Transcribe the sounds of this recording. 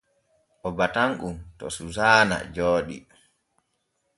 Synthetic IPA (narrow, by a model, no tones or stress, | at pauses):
ʔɔbataŋʔumtɔ̰suzaːna̰d͡ʒoːɗḭ